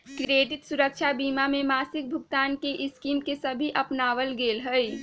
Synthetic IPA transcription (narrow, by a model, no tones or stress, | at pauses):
kɾieːʈɪt̪sʊɾəkʃʰabiːmamẽmaːsɪk̚bʱʊɡt̪aːnkeʔɪskiːmkesɐbʱiʔɐpnaːʋəlɡeːlɦəi